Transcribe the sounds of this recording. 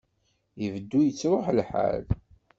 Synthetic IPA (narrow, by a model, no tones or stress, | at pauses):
əvəd̪ːujət͡sːɾˤoħlħa̰l